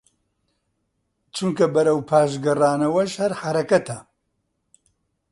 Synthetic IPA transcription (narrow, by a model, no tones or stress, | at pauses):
t͡ʃuŋkɐbɐɾɐwpʰaːʃɡɐraːnɐwɐʃhɐɾħaɾɐkɐt̪ɐ